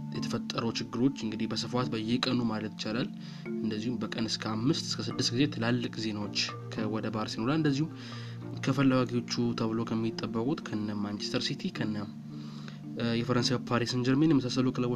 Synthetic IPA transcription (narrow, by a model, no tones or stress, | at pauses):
jɛt̪ʰəfət̪ʼːəɾut͡ʃɪɡːɨɾo̞t͡ʃːɨŋɡɨd̪ihbəsɨfat̪bəjːɛkʼənumalət̪jɪt͡ʃalal | ɨnd̪əzːihumbəkʼənɨskʰəamːɨst̪ɨskʰəsɨd̪ːɨst̪̚ɡize̞t̪ʰɨlalːɨkʼze̞nawot͡ʃː | kʰəwɔd̪əbaaɾsino̞ɾalɨnd̪əzːihum | kʰəfəlːawaɡiwo̞t͡ʃːut̪ʰəβɨlo̞kʰəmːit̪ʼːəbːəkʼut̪kʰənːəmmːant͡ʃest̪ʰəɾsit̪ʰikʰənːəm | jɛfəɾənsajapʰaɾisɨnd͡ʒɛɾmenjɛməsasːəlukʰələw